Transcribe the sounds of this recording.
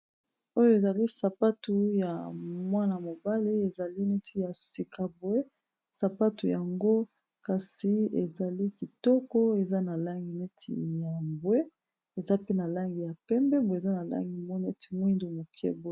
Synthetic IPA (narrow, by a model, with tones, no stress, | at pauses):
o˦jo˦e˨za˨li˦sa˨pa˦tu˦ja˨mwa˦na˨mo˨ba˦li˦e˨za˨li˦ne˦tʰi˦ja˨si˨kʰa˨bwe˦ | sa˨pa˦tu˨ja˨ŋɡo˦ | ka˨si˨ḛ˨za˨li˦ki˨tɔ˦kɔ˦e˨za˦na˨la˦ŋɡi˨ne˦tʰḭ˨ja˨bwe˦ | e˨za˦pe˦na˨la˦ŋɡi˨ja˨pɛ˦mbɛ˦bza˦na˨la̰˦ŋɡi˨mɔ˦nɛ˦ti̥˨mwi˦ndu˨mo˨kʰɛ̰˦bo˦˨